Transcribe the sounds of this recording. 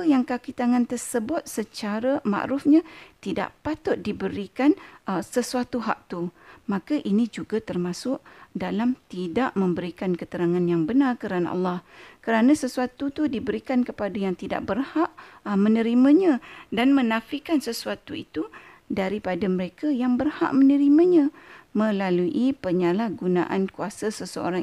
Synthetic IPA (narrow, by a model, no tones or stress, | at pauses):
əjaŋkakit̪aŋãnt̪ərsəbʊt̪̚sət͡ʃaɾama̰ʔɾʊfɲãt̪ida̰ʔpat̪ʊt̪̚dibəɾikanəsəsuat̪uɦa̰ʔ̚t̪umãkaʔinĩd͡ʒuɡat̪ərmãsʊʔdalamt̪idaʔmə̃mbəɾikankət̪əɾaŋanjaŋbənarkəɾana̰ʔɑ̰lːɑhkəɾanãsəsuat̪ut̪udibəɾikankəpadajaŋt̪ida̰ʔbərhaʔmə̃nə̃ɾimãɲãdanmə̃nafikansəsuat̪uḭt̪u | daɾipadaməɾekajaŋbərha̰ʔmənəɾimãɲãmə̃laluʔipəɲalahɡunã̰ʔa̰nkuasasəsəo̰ɾaŋ